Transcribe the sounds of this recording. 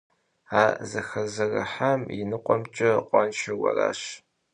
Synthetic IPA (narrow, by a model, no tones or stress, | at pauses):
aːzɐxɐzɐrɐ̰ħamjɪnɨqʷʼɔmt͡ʃʼɐqʷʼɑnʃɐwʷɐ̰ra̰ːɕ